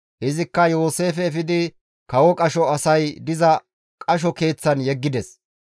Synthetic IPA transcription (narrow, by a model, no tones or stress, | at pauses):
hɛzɪkːɐjo̞ːse̞ːfɛːfɪd̪ɪ | kɐwɔkʼɐʃɔɐsɐjd̪ɪzɐ | kʼɐʃ̬ɔke̞ːt͡sːɐnjɛɡːɪd̪ɛs